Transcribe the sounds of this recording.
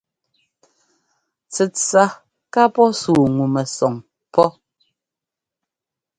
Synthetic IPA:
t͡sɛ˨t͡sa˦ | ka˦pɔ˦suː˨ŋu˨mɛ˨sɔ˨ŋ | pɔ˦

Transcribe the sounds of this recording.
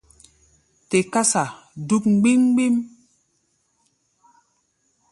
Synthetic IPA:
te˨ka˦sa˨ | du˦p̚ŋ͡m̩˨ɡ͡bi˦ŋ˦ɡ͡bi˦m

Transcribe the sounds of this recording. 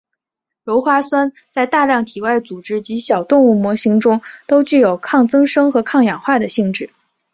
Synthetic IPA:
ɻo˧˥ʊxwa˥swa˥n | t͡sa˥˧ɪt̪a˥˧ljɑ˥˩ŋt̪ʰi˨˩wa˥˩ɪt͡su˨˩ʈ͡ʂɻ̩˥t͡ɕi˧˥ɕjɑ˨˩ʊt̪ʊ˥˧ŋu˥˩mwɔ˧˥ɕi˧˥ŋʈ͡ʂʊ˥ŋt̪o˥ʊt͡ɕy˥˩jo˨˩ʊkʰɑ˥˩ŋt͡sɤ˥ŋʂɤ˥ŋxɤ˧˥kʰɑ˥˩ŋjɑ˨˩ŋxwa˥˩d̪ə˩ɕi˥˧ŋʈ͡ʂɻ̩˥˩

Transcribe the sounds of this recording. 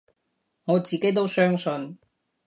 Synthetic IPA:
ŋɔː˨˧t͡siː˨ke˦˥jt̪o˥wsœː˥ŋsɵ˧n

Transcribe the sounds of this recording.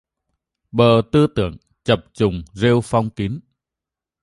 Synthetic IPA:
ɓəː˨˩t̪ɨ˧t̪ɨ̰˧˨əŋ | t͡ɕə˨˩p̚t͡ɕʊ˨˩ŋ͡mze˧wfa˧wŋ͡mki˨˦n

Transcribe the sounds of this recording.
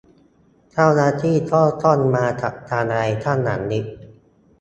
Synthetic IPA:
t͡ɕʰa˥˩wnaː˥˩t̪ʰiː˥˩t̪ʰɔː˥˩t̪ɔ˥˩nmaː˧t̪ʰa˨˧t̪ʰaː˧nɾa˧jt̪ʰaː˥˩nːa˩˦ŋni˦˥k̚

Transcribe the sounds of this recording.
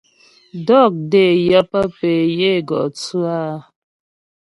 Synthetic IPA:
dɔ˦˨k̚de˦˨jə˦pa˦pe˨je˦˨ɡɔ̰˨ʔt͡su˦a˦˨˦

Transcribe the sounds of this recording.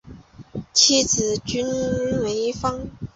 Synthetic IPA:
t͡ɕʰi˥˩t͡sɹ̩˨˩t͡ɕy˥nwe˧˥ɪfɑ˥ŋ

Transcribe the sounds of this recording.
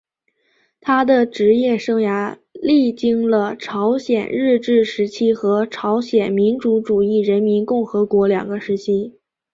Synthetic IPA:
t̪ʰa˥d̪ə˨ʈ͡ʂɻ̩˧˥jɛ˥˩ʂɤ˥ŋja˧˥ | li˥˩t͡ɕi˥ŋlə˧ʈ͡ʂʰɑ˧˥ʊɕjɛ˨˩nɻɻ̩˥˧ʈ͡ʂɻ̩˥˩ʂɻ̩˧˥t͡ɕʰi˥xɤ˧˥ʈ͡ʂʰɑ˧˥ʊɕjɛ˨˩nmi˧˥nʈ͡ʂu˧˥ʈ͡ʂu˨˩i˥˩ɻə˧˥nmi˧˥nkʊ˥˩ŋxɤ˧˥kwɔ˧˥ljɑ̰˨˩ŋɡə˦ʂɻ̩˧˥t͡ɕʰi˥

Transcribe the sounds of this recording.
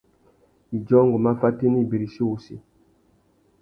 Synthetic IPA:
d͡ʒɔ˦ŋɡu˨ma˦fa˦ti˦ni˦˨bi˨ɾi˨si˦wu˨sḭ˨

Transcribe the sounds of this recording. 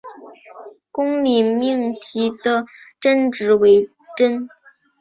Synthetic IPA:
kʊ˥ŋli˨˩mi˥˩ŋt̪ʰi˧˥d̪̥ə˧ʈ͡ʂə˥nʈ͡ʂɻ̩˧˥we˧˥ɪ | ʈ͡ʂə˥n

